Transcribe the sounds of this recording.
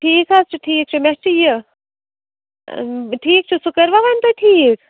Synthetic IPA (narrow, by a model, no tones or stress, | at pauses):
ʈʰiːkʰast͡ʃʰiʈʰiːk̚t͡ʃʰumɛst͡ʃijɨ | ʈʰiːk̚t͡ʃʰusukɐɾʋaʋant̪oʈʰiːk